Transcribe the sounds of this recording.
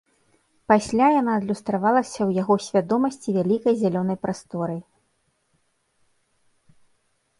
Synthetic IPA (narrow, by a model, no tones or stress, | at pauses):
pasʲlʲajan̪aːd̪lʲust̪ɾavalˠɐsʲɐwjaɣɔsʲvʲad̪ɔmɐsʲt͡sʲivʲalʲikɐjzʲalʲɔnɐjpɾast̪ɔɾɨj